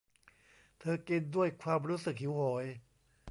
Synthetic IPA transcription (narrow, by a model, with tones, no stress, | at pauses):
t̪ʰɤː˧ki˧ndu˥˩əjkʰwaː˧mɾuː˦˥sɯ˨˩k̚hi˨˩˦whoː˩˦j